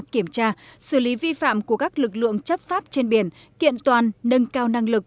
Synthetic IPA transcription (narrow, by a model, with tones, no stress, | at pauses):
ki˧˩əmt͡ɕaː˧sɨ˧˩li˨˦vi˧fa̰ː˧˨mku˧˩əkaː˦˥k̚lɨ˨˩k̚lɨ̰˧˨əŋt͡ɕə˦˥p̚faː˦˥p̚t͡ɕe˧nɓi˧˩ən | kḭ˧˨ənt̪waː˨˩nːə˧nkaː˧wna˧ŋlɨ˨˩k̚